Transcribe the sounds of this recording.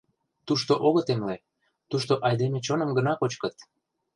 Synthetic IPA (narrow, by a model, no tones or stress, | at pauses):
t̪uʃt̪oʔoɣə̆t̪emle | t̪uʃt̪oʔɑjd̪emet͡ɕonə̆mɡənɑkot͡ɕkə̆t̪